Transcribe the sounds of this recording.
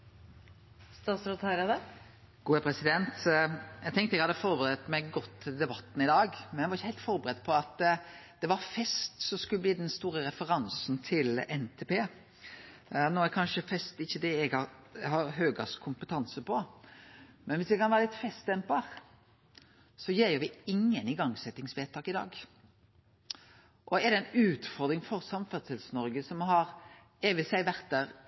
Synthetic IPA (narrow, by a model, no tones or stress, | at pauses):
st̪ɑːsɾʊt̪ʰɑɾɑd̪ɛ | ɡ̥uːɛpʰɾɛsɪd̪ɛnt̪jæɡ̚t̪ɛŋkt̪əɛɡhɑd̪ːəfɔɾbəɾɛt̪mɛɡɡɔt̪ʰːɪd̪ɛbɑt̪ːn̩ɪd̪ɑːɡmɛnæɡʋɑɾɪçːəhɛɪlt̪fɔɾbəɾɛd̪pʰɔɑt̪ | d̪̥ɛʋɑɾfɛst̪sɔskʉlːəb̪liːd̪ɛnst̪uːɾəɾɛfəɾɑnsn̩t̪ʰɪlɛnt̪ʰeːpeː | noːɛkʰɑnʃəfɛst̪əɪçːəd̪ɛɛɡhɑɾhɑɾɦøːɡɑskʰʊmpət̪ʰɑnsəpʰɔ | mɛnʋɪsd̪ɛkʰɑnʋæːɾəlɪt̪fɛst̪̚ɛmpɑʁ | sɔjeːɾjʊɾʋɪɪŋːənɪɡɑŋːsɛt̪ːɪŋsʋeːt̪ʰɑːkɪd̪ɑ̰ːɡ | ʔɔɛɾd̪ɛɛnʉːt̪fɔɾd̪ɾɪŋfɔɾsɑmfɛʁt̪əlsənɔɾɡəsɔmɦɑɾ | eːʋɪsæɪʋæʁt̪̚d̪æːʁ